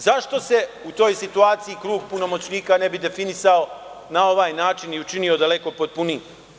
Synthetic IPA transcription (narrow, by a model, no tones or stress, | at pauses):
zaʃt̪o̞se̞ut̪o̞ːjsit̪uaːt̪siikɾuːɡpuno̞mo̞t͡ɕniːkanebid̪e̞finisao | nao̞ʋaːjnaːt͡ʃiniut͡ʃinio̞d̪aleko̞pot̪̚puniː